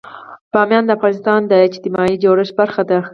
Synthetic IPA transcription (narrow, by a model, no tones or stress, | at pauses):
pɑmjɑnd̪əafɣɑnɪst̪ɑnd̪əɪd͡ʒt̪ɪmɑid͡ʒoɾɪʃbaɾxat̪a